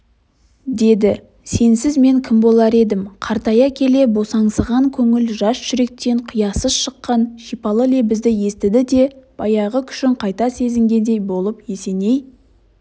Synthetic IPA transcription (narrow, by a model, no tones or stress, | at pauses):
d̪e̞d̪ɪ | se̞nsɪzme̞ŋkʲʰɪmbo̞lˠɑɾe̞d̪ɪmqʰɑɾt̪ɑjɑkʲʰe̞le̞bo̞sɑɴsəʁɑŋkʲʰɵŋɪlʒɑsʒ̥ʏɾe̞k̚t̪e̞ɴqʰʊjɑsəzʃəqːɑnʃipɑlˠəlebɪzd̪ɪje̞st̪ɪd̪ɪd̪e̞b̥ɑjɑʁəkʲʰʏ̥ʃɪɴqʰɑjt̪ɑse̞zɪŋɡʲe̞nd̪e̞jbo̞lˠəpje̞se̞ne̞j